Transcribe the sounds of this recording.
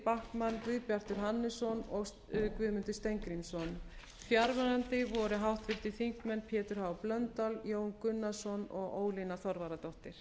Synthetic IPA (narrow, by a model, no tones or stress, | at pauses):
pahkmankvɪðpjar̥t̪ʏɾ̥ɦanːɪsɔnɔɣ | kvʏːðmʏnt̪ɪst̪ejŋkɾinsɔn | fjaɾvaɾant̪ɪvɔɾʏɦawht̪vɪɾ̥t̪ɪθiŋ̥kmɛnpʰjɛːt̪ʏɾ̥haːwplœnt̪aljoːwnkʏnːasɔnɔɣoːwlinaθɔɾvaɾat̪ɔht̪ɪɾ̥